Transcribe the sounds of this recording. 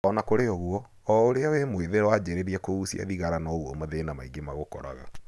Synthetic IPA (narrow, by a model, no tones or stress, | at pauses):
ɔnakoɾeɔɣuɔ | ɔoɾeawemweðeɾwad͡ʑɛɾeɾiɛkousija̰ðiɣaɾanɔoɣwɔ̰maðenamaiɡemaɣokɔ̰ɾa̰ɣa̰